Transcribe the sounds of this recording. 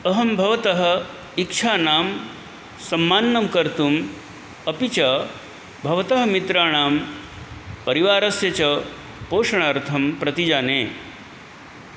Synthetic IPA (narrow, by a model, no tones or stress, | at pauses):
ɐɦɐmbʱɐʋɐt̪ɐɦɐ̆ | ikʂʰaːnaːm | sɐmːaːnːɐmkɐɾt̪um | ɐpit͡ʃɐ | bʱɐʋɐt̪ɐɦɐ̆mit̪ɾaːɳaːm | pɐɾiʋaːɾɐsjɐt͡ʃɐ | poːʂɐɳ̃aːɾt̪ʰɐmpɾɐt̪id͡ʒaːneː